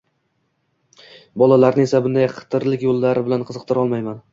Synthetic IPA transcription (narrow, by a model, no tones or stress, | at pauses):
bɒlˠalaɾnɪe̞sabɪnd̪ajqʰɨ̥t̪ʰɪɾlɪkʲjolˠːaɾɪbɪlanqʰɨzɨq̚t̪ʰɪɾɒlˠmajman